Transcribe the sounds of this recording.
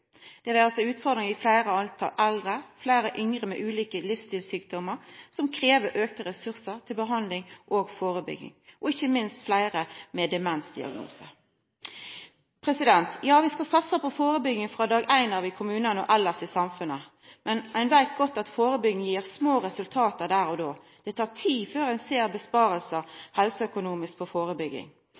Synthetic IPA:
d̪̥ɛʋɛɑlsɔʉːt̪fɔʁd̪ɾɪŋɪflæɪɾəɑlt̪ʰɑ̰lʔɛld̪ʁəflæɪɾəʔʏŋʁəmɛ̰ːʔʉːliːkəlɪfst̪ɪːlsyːk̚d̪ɔməɾsɔmkʰɾeːʋəɾʔøːk̚t̪əɾɛsʉʁsət̪ʰɪlbəɦɑnlɪŋʔoːɡfoːʁəbʏ̰ɡɪ̰ŋʔɔɪçːəmɪnst̪flæɪʁəmɛd̪ɛmɛnsd̪ɪ̰ɑ̰ɡnṵːsə | pʰɾɛsɪd̪ɛnt̪jɑːʋɪskɑsɑt̪səpɔfoːɾəbʏɡɪŋfʁɑd̪ɑːɡæɪnɑːʋɪkʰʊmʉːnənɔ̰ʔɛlːəsɪsɑmfʉnə | mɛnʔæɪnʋæɪt̪̚ɡɔt̪ːɑt̪foːɾəbʏɡɪŋjiːʁsmoːʁɛsʉlt̪ʰɑːt̪əd̪æːɾɔd̪oː | d̪̥ɛt̪ʰɑːʁt̪ʰiːføːɾæɪnseːʁbəspɑːɾəlsəhɛlsɔœkʊnuːmɪsk̚pʰɔfoːɾəbʏɡːɪ̰ŋ

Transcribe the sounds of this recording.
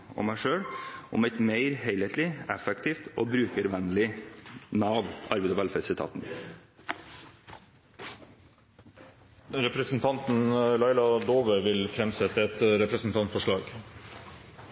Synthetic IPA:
ɔ̰mæɪʂøːɽʔɔ̰mæɪt̪meɪɾheɪleɪt̪lɪɛfɛkt̪ʰiːft̪oːbɾʉːkəɾʋænlɪnɑːʋʔɑɾbɛɪd̪əʋælfɛd̪sɪt̪ʰɑ̰ːt̪n | ɾɛpɾəsn̩t̪ʰɑnt̪n̩lɑɪlɑd̪oːʋəʋɪlfɾɛmsɛt̪əɛt̪ɾɛpɾəsn̩t̪ʰɑnt̪fɔʂɭɑːɡ

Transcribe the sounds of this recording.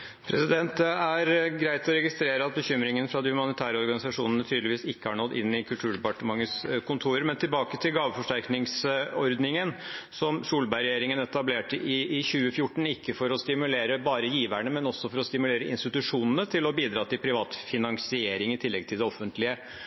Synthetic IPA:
pʰɾɛsɪd̪ɛnt̪ɛæɾɡɾæɪt̪ɔɾɛɡɪst̪ɾeːɾəɑt̪̚bəçʏmɾɪŋənfɾɑd̪ɪhʉmɑnɪt̪ʰæːɾəɔɾɡɑnɪsɑʂuːnənət̪ʰyːd̪lɪʋiːsɪkːəhɑɳɔd̪ʔɪ̰nːɪkʰʉlt̪ʰʉːɖɛpɑʈəmɑŋːəskʰʊnt̪ʰuːɾəɾmɛnt̪ɪlbɑːkət̪ʰɪlɡɑːʋəfɔʂʈæɾknɪŋsɔɾd̪nɪŋənsɔmsuːlbæɪɾɛjeːɾɪŋənɛt̪ɑbleːʈəʔɪːçʉːəfjʊʈːɳ̩ɪkːəfɔɾɔst̪ɪmʉleːɾəbɑːɾəjiːʋæɳəmɛnɔsːɔfɔɾɔst̪ɪmʉleːɾəɪ̰nst̪ɪt̪ʉʂuːnənət̪ʰɪlɔbiːd̪ɾɑːt̪ɪlpʰɾɪʋɑːt̪fɪnɑŋsɪeːɾɪŋɪt̪ʰɪlːɛɡ̚t̪ʰɪld̪ɛɔfːənt̪lɪə

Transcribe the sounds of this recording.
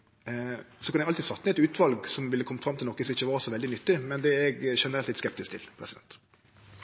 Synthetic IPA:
sɔkʰɑnɛɡɑlt̪id̪sɑt̪ːnəɛt̪ʉːt̪ʋɑlɡsɔmʋɪlːəkʰɔmːəfɾɑmt̪ɪlɔkːɪsɪçːəʋɑːɾsɔʋɛld̪ɪnʏt̪ːɪmɛnd̪ɛɛɡʃɛnəɾɛlt̪ɪt̪skɛp̚t̪ɪskt̪ɪlpʰɾɛsɪd̪ɛ̰nt̪

